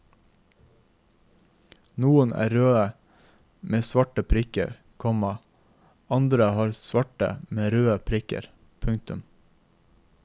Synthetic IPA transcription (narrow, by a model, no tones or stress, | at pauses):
nuːənæ̰ːɾøːə | meːsʋɑʈəpʰɾɪkə̰ɾ | kʰɔmɑ | ɑnd̪ɾəhɑːɾsʋɑʈə̰meːɾøːəpʰɾɪkə̰ɾ | pʰʉŋ̚t̪ʉm